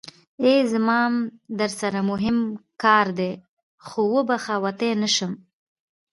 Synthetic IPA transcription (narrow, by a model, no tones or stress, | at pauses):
ezəmɑmd̪əɾsaɾamʊɦɪmkɑɾd̪e | xowəbaxawat̪enəʃəm